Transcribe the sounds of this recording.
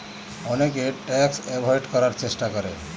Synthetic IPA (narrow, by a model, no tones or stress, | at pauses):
ɔnekeʈɛksebʱɔjɖkɔɾaɾt͡ɕesʈakəɾe